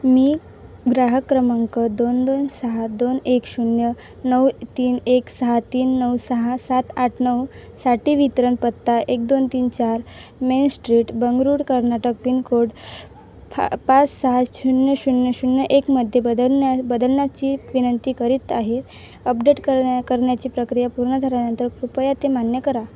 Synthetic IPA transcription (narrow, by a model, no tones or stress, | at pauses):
miː | ɡɾaɦəkɾəmaŋkəd̪ond̪onsəɦad̪onekɕuɳjə | nəwt̪iːneksəɦat̪iːnːəwsəɦasat̪aʈʰnəwsaʈiːʋit̪ɾənpət̪ːaʔek̚d̪ont̪iːnt͡ɕaɾmensʈɾiːʈbəŋɡɾuːɽkəɾnaʈək̚pinkʰoɽ | pat͡ssaɦaɕuɳjəɕunjəɕunjəʔekməd̪ʱːjeəabəd̪əlnjat͡ɕiːʋinənt̪iːkəɾit̪aɦe | əpɖeʈəkəɾɳjat͡ɕiːpɾəkɾijapuɾɳəd̪ʱəɾanənt̪əɾkɾupəjat̪emanjəkəɾa